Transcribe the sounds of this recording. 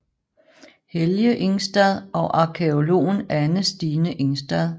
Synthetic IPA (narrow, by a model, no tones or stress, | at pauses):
heljəʔe̝ŋsd̥ɛð̞ˠɒ̽ʔɑ̈kʰeo̝lo̝̰ːnænəsd̥iːnəʔeŋsd̥ɛð̞ˠ